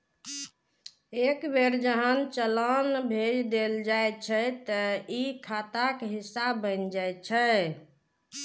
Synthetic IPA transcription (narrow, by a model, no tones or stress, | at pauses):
ekbeɾd͡ʒəɦənt͡ʃələnbʱed͡ʒd̪eld͡ʒajt͡ʃʰət̪əikʰat̪akɦisːabːənd͡ʒajt͡ʃʰə